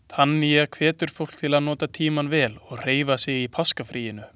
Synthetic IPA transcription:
t̪ʰanːijakʰvɛːt̪ʏɾ̥fowl̥t̪ʰɪlaðnɔːt̪at̪ʰiːmanvɛːlɔɣr̥eːjvasɪɣipʰaskafɾʔiːjɪnʏ

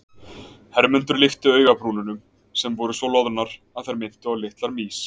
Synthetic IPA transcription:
hɛɾmʏnt̪ʏɾlɪft̪ʏœːɥɣapɾuːlʏnʏm | sɛmvɔɾʏsɔwlɔwðnaɾ̥ | aðθajɾmɪn̥t̪ʏawlɪht̪laɾmiːs

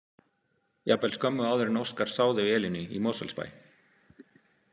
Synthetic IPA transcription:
japɛlskʰœmːʏaːwðɪɾnowskaɾ̥saːwðʏvɛːlɪnʏḭmoːsɛ̰lspa̰ːj

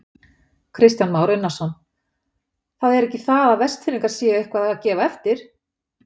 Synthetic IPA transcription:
kʰɾɪst̪janmaːwɾɪnːasɔn | θaðɛɾɛhcɪθaðaðvɛst̪fɪnːɪŋkaɾsiːjaʏhkvaðaacɛːvaɛft̪ɪɾ̥

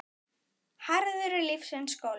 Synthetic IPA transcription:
haɾðʏɾʏlɪfsɛnskoːwl

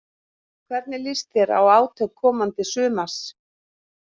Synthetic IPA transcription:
kʰvɛɾt̪nɪlɪst̪ɪɾa̰waːwt̪ʰœkʰːɔːmant̪ɪsʏːmas

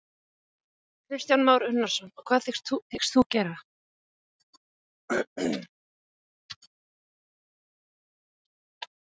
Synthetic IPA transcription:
kʰɾɪst̪janmaːwɾʏnːḁsɔnɔkʰvaːðθɪst̪uθɪkst̪θucɛːɾa

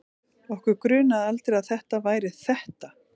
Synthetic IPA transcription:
ɔhkʏɾkɾʏːnaðalt̪ɾɪɾaðθɛht̪avaːjɾɪθɛht̪a

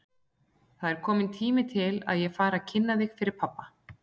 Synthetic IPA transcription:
θaðɛɾ̥kʰɔːmɪnt̪ʰiːmɪt̪ʰɪla̰ðjɛɣfaːɾacʰɪnːaðɪɣfɪɾɪɾ̥pʰapːa

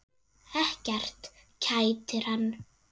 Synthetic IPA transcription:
ɛhcɛr̥t̪ | cʰaːjt̪ɪɾ̥hanː

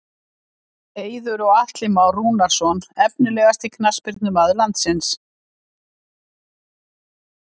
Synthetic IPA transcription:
eːjðʏɾɔɣaht̪lɪmawrunaɾ̥sɔnɛpnɪlɛːɣast̪ikʰnaspɪɾt̪nʏmaðlant̪sɪns

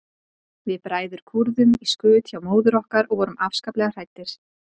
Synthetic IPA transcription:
vɪðpɾaːjðʏɾ̥kʰuɾðʏmiskʏːt̪çawmoːwðʏɾɔhkaɾɔɣvɔːɾʏmafskaplɛɣar̥ajt̪ːɪɾ̥

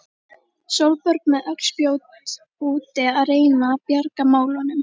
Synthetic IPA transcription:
sowlpœɾk̚mɛðœkspjoːwt̪ | uːt̪ɪaðreːjnapjaɾkamaːwlɔnʏm

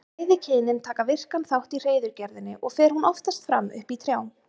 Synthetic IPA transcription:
ajðɪcʰɪːnɪnt̪ʰaːkavɪr̥kanθawht̪ir̥eːjðʏɾcɛɾðɪnːɪʔɔɣfɛːɾ̥hunɔft̪ast̪fɾa̰mʏ̰hpit̪ʰɾjaːwm

